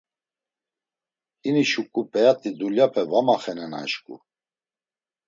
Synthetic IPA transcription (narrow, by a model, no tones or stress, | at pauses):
iniʃukʼupʼɛat̪ʼid̪uljapʰɛvamaχɛnɛna̰ʃkʼṵ